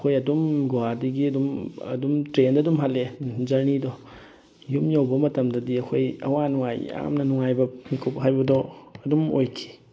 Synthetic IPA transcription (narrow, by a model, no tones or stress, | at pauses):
ɐkʰojɐdumɡwadiɡiɐdumɐ̰dumtɾendɐdumɦalːed͡ʒɐɾnidɔ | jumjawbɐmɐtɐmdɐdiɐkʰojɐ̰wanuŋaja̰mnɐnuŋajbɐmikʰupɦajbɐdɔɐdumo̰jkʰi̥